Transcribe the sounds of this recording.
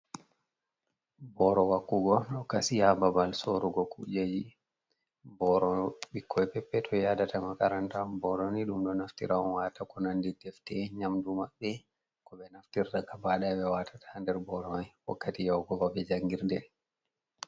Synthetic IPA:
bɔɾɔwakːuɡɔɗɔkasijababalsoɾuɡɔkṵd͡ʒad͡ʒi | bɔɾɔɓikʰːɔjpɛpːɛtʰɔjadatamakaɾantabɔɾɔniɗumɗɔnaftḭɾʔaɔnwaːtakɔnandidɛftɛɲamdumaɓːɛ | kɔɓɛnaftiɾtakabaɗaɓɛwatʰḁtʰandɛɾbɔɾɔajwa̰kːatijawɡɔvabɛd͡ʒaŋɡiɾdɛ

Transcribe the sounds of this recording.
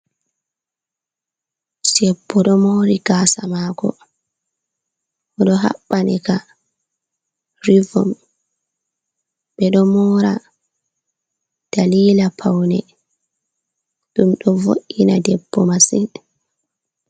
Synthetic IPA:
sɛbːɔɗɔmoɾiɡaːsamaːkɔ̰ | ɔɗɔɦa̰ɓːanika | ɾivɔm | ɓɛɗɔmɔɾa | d̥aliːlapʰawnɛ | ɗumɗɔvo̰ʔinadɛbːɔmasin

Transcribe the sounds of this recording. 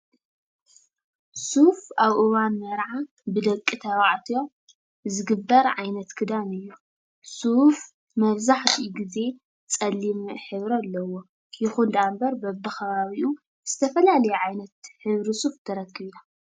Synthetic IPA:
sufaβʔɨwanmɐɾʕa | bɨd̪ɐkʼːit̪ʰɐβaʕt̪ʰijo | zɨɡɨbːɐɾʕajnɐt̪kʰɨd̪anɨjːu | suf | mɐβzaħt̪ʰiɡize̞ | t͡sʼɐlːimħɨβɾalːɐwo̞ | jɪxund̪ambɐɾbɐbːɨxɐβaβiʔu | z̥ɨt̪ʰɐfɐlalɐjɛʕajnɐt̪ħɨβɾisuft̪ʰɐɾɐkːɨβla

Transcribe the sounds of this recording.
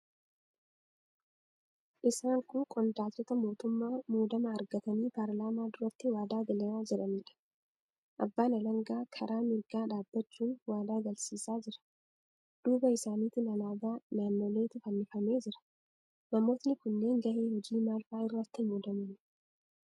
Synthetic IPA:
ʔɪsaːŋkʼʊkʼɔnd̪aːtːɔt̪ɐmo̞ːt̪ʊmːaːmuːd̪ɐmɐːɾɡɐt̪ɐniːpaɾlaːmaːd̪ʊɾɐt̪ːɪwaːd̪aːɡɐlɐmaːd͡ʒɪᶑɐniːᶑɐ̥ | ʔɐbːaːnɐlɐŋɡaːkʰɐɾʔaːmɪɾɡaːᶑaːbːɐt͡ʃːuːnwaːd̪aːɡɐlsiːsaːd͡ʒɪɾɐ̥ | d̪̥uːbɐɪsaːniːt̪ɪnɐlaːd̪aːnaːnːoːle̞ːt̪ɪfɐnːɪfɐme̞ːd͡ʒɪɾɐ̥ | nɐmo̞ːt̪nɪkʊnːe̞ːŋɡɐʔeːhɔd͡ʒiːmaːlfaːɪrːɐt̪ːɪmuːd̪ɐmɐn

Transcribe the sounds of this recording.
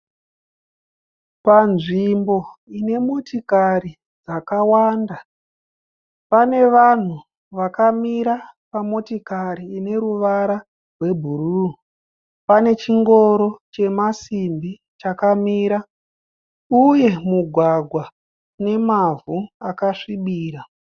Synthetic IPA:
panʐimbo̞ine̞mo̞tikaɾi | d͡zakawaːnda | pane̞ʋan̤u | ʋakamiɾapamo̞tikaɾiːne̞ɾuʋaɾa | rwe̞bʱuru | pane̞t͡ʃiŋɡo̞ɾo̞t͡ʃe̞masimbi | t͡ʃakamiːɾa | uje̞muɡʱwaɡʱwa | ne̞mavuakaʂiɓiːɾa

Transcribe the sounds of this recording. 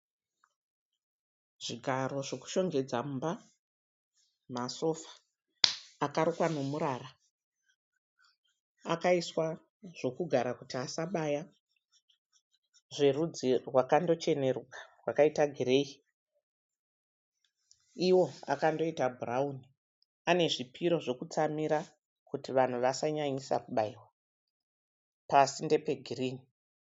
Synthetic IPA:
ʐiɡʱaɾo̞ʐo̞ku̥ʃo̞ŋɡe̞d͡zaumba | maso̞fḁː | kaɾokwano̞muɾara | akaiswa | ʐo̞kuɡʱaɾakutiasaɓaja | ʐe̞rud͡zirwakando̞t͡ʃe̞ne̞ɾukḁrwakaitaɡʱiɾe̞i | iwo̞a̰kando̞itabʱurauni | ane̞ʐipiɾo̞ʐo̞kut͡samiɾa | kutiʋan̤uʋasaɲaɲisa̰kuɓaiwa | pasinde̞pe̞ɡʱiriːni

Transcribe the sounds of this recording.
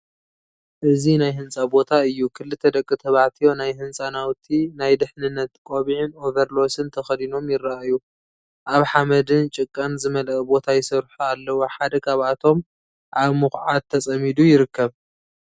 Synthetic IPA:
ʔɨzinajɦɨnsʼabo̞t̪ʰaɨjːukʰɨlːɨt̪ʰːɐd̪ɐkʼːɨt̪ʰɐβaʕt̪ʰijo̞najhɨnsʼanawt̪ʰinajd̪ɨħnɨnːɐt̪kʼo̞βiʕɪnʔovɐɾlo̞sɨnt̪ʰɐxɐd̪ino̞mjɪɾaaju | ʔaβħamɐd̪ɨnt͡ʃʼɨkʼːɐnzɨmɐlɐkʼbo̞t̪ʰajɪsɐɾħualːɐwoħad̪ɐkʰaβʔat̪ʰo̞m | ʔaβmɨxʕat̪ʰːɐt͡sʼɐmid̪ujɪɾɨkːɐβ

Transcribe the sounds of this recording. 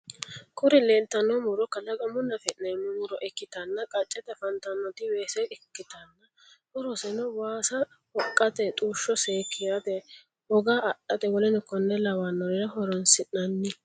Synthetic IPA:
kʰʊɾɪlɛːnt̪ːɐnːɔmʊɾɔkːɐlɐɡɐmʊnːɐfɛʔnɛmʊmʊɾɔʔɛkːɪt̪ɐnːɐkʼɐt͡ʃʼːɛt̪ɛfɐnt̪ɐnːɔt̪ɪweːsɛjɛkːɪt̪ɐnːɐ | hʊɾɔsɛnɔwaːsɐ | wɔkʼːɐt̪ɛt̪ʼuːʃːɔseːkʰːɪjad̪ɛ | wɔɡaːɐʔɐd̪ɛwɔlɛnʊkɔnːɛlɐwanːɔɾɪɾɐhɔɾɔnsɪʔnɐnːɪ

